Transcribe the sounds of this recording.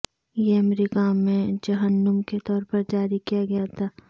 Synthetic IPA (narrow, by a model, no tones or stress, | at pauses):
jeɐmɾiːkamẽd͡ʒɐɦənːəmket̪ɔːɾpɐɾd͡ʒaːɾikijaɡɐjat̪ʰaː